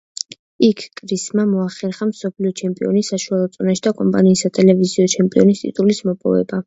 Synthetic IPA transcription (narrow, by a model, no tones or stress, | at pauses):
ikʰkʼɾismamɔaχɛɾχamsɔpʰliɔt͡ʃʰɛmpʼiɔnisaʃualˠɔt̪sʼɔnaʃid̪akʼɔmpʼaniːsat̪ʼɛlɛviziɔt͡ʃʰɛmpʼiɔnist̪ʼḭt̪ʼulismɔpʼɔ̰vɛ̰ba